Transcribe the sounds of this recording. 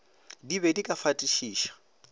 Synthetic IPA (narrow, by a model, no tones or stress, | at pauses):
dibɛdikʼafatʼiʃiːʃḁ